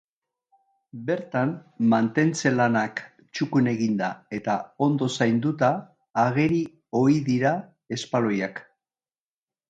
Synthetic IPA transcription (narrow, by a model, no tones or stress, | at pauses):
be̞ɾt̪anmant̪e̞nt͡se̞lanak | t͡ʃukune̞ɣind̪ae̞t̪ao̞nd̪o̞sajnd̪ut̪aː | ɣ̞e̞ɾi | o̞iðiɾa | e̞spalo̞jak